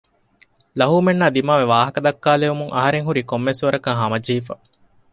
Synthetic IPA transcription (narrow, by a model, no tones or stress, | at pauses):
lɐɦuːmenːaːd̪imaːʋeʋaːɦɐkɐd̪ɐkːaːleʋumuŋɐɦɐɾeŋɦuɾikomːesuʋɐɾɐkɐŋɦɐmɐd͡ʒiːfɐ̰